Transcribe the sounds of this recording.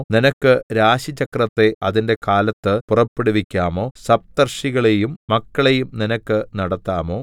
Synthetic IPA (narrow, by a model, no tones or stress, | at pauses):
ninɐkːɨɾaːɕit͡ɕːɐkrɐt̪ːe̞ɐðinde̞kaːlɐt̪ːɨpurɐpːeɽuʋikʲːaːmo̞ːsɐb̚t̪ɐrɕiɣɐɭe̞jumːɐkːɐɭe̞jumninɐkːɨnɐɽɐt̪ːaːmo̞ː